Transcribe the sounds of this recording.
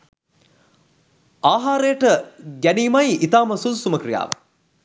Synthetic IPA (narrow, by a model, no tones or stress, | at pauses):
aːɦaːɾejəʈəɡæniːmajit̪aːməsusuməkrija̰ːʋə̰